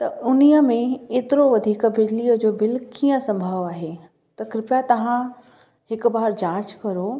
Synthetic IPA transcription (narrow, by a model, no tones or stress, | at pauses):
t̪ɐʊnijə̆mẽeːt̪ɪɾoʋɐd̪ʱiːkbɪd͡ʑliːəd͡ʑoːbɪlkiːə̃sɐ̃mbʱəʋaːɦe | t̪ɐkɾɪpʈat̪ɐʋ̤ã | hɪkbaːɦɾd͡ʑãːt͡ɕkɐɾo